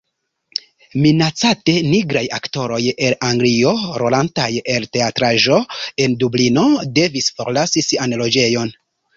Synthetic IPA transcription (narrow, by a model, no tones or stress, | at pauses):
minat͡sate̞niɡɾaja̰kto̞ɾo̞je̞laŋɡlio̞ɾo̞lantaje̞lte̞atɾaʒo̞e̞ndublino̞de̞visfo̞ɾlasisianlo̞d͡ʒe̞jo̞n